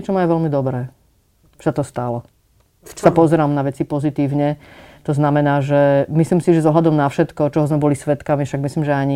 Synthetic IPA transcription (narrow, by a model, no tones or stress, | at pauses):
ɛt͡ʃɔmajuʋɛlmid̪ɔbɾɛ̥ː | sat̪ɔst̪alɔ | sapɔzɛɾaːmnaʋɛt͡sipɔzit̪iːʊɲɛt̪ɔznamɛnaːʒɛmisliːmsiʒɛzɔɦlad̪ɔmnafʃɛt̪kɔt͡ʃɔɦɔzmɛbɔlisʋɛt̪kamifʃaɡ̚misliːmʒɛaɲi